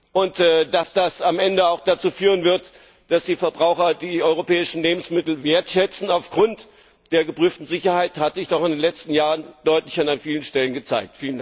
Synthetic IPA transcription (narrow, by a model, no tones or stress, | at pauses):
ʔʊntːd̥asd̥asamʔɛndəaʊxd̥at͡suːfyːʁ̞ənvɪɐt | d̥asd̥iːfɛɐbʁaʊxɐdiːʔɔʏʁopʰɛːɪʃn̩leːbm̩smɪtl̩veːɐtʃɛt͡sn̩aʊfɡ̥ʁʊnt | d̥eːɐɡəpʁ̥yːftn̩zɪçɐhaɪthatz̥ɪçd̥ɔχɪndeːnlɛt͡stn̩jaːʁənd̥ɔʏtlɪçananfiːlənʃtɛlənɡət͡sa̰ɪk̚tfiːlənda